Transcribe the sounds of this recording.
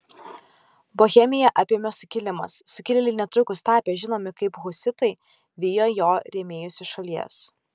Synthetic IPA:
boːxʲɛmʲɪjɛʔɑpʲeːmʲɛsʊkʲɪlʲɪmɐ̰sːʊkʲɪlʲɛlʲɪnʲɛt̪ɾʊkʊst̪ɑːpʲɛːʒʲɪnoːmʲɪkɐɪpɣʊsʲɪt̪ɐɪ | ʋʲɪjoːjoːɾʲɛmʲeːjʊsʲʊʃɐlʲiɛs

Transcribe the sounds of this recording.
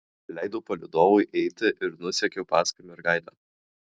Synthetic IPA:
lʲæɪd̪oːpɐlʲɪd̪oːʋʊɪʔɛɪt̪ʲɪʔɪɾnʊsʲɛkʲɛʊpɑːskɐɪmʲɛɪɾɡaɪd̪ʲɐː

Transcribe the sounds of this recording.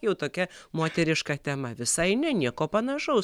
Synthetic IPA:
jɛʊt̪oːkʲɛmoːt̪ʲɛɾʲɪʃkɑt̪ʲɛmɐʋʲɪsɐɪnʲɛnʲiɛkoːpɐnɐʃɐʊ

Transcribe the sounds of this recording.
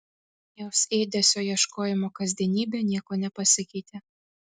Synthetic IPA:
joːseːd̪ʲɛsʲoːjiɛʃkoːjɪmoːkɐzʲd̪ʲiɛnʲiːbʲeːnʲiɛkoːnʲɛpɐsʲɪkʲɛɪt̪ʲe

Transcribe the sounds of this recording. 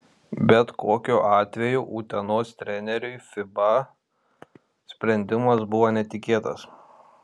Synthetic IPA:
bʲɛt̪kʰoːkʲuːʔɑːt̪ʲʋʲɛjuʔuːt̪ʲɛnoːst̪ʲɾʲɛnʲɛɾʲʊɪfʲɪbɐ | sʲpʲɾʲɛnʲd̪ʲɪmɐsbʊʋoːnʲɛt̪ʲɪkʲeːt̪ɐs

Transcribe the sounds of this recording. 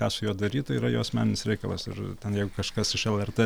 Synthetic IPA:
kɑːsʊjuːd̪ɐɾʲiːt̪iːɾɐjoːsmʲæːnʲɪnʲɪsɾʲɛɪkɐlˠɐ̰sɪ̰rt̪ʲɛnjɛɪɡʊkɐʃkɐsɪʃɛlˠɛrt̪e

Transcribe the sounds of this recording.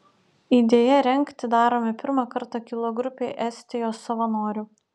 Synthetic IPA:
iːd̪ʲeːjɛɾʲɛŋʲkt̪ʲɪd̪ɑːɾoːmʲɪpʲɪɾmɑkɐɾt̪ɑkʲɪlˠoɡɾʊpʲeːʔɛsʲt̪ʲɪjoːsːɐʋɐnoːɾʲʊ

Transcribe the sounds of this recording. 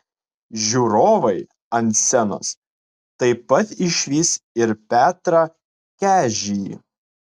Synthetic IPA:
ʒʲuːɾoːʋɐɪ | ɐnʲt̪sʲɛnɐ̰s | t̪ɐɪpːɐt̪ɪʃʲʋʲiːsɪɾpʲæːt̪ɾɑ | kʲæːʒʲɪjḭ

